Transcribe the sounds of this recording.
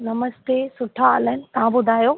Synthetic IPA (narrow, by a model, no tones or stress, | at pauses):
nɐməst̪esʊʈʰaɐlənɪ̆t̪ɐãbʊd̪ʱaːjoː